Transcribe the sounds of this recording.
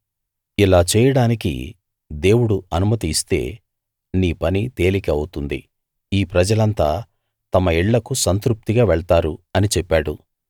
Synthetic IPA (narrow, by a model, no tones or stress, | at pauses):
ilaːt͡ʃɛːjɐɽaːnikḭ | d̪e̞ːwuɽuɐnumɐt̪iːst̪e̞̰ː | niːpɐnit̪e̞ːlikɐɐwut̪und̪ḭ | iːpɾɐd͡ʒɐlɐnt̪aː | t̪ɐmɐiɭːɐkusɐnt̪ɾup̚t̪iɡaːʋɛɭt̪aːɾuɐnit͡ʃɛpːaːɽṵ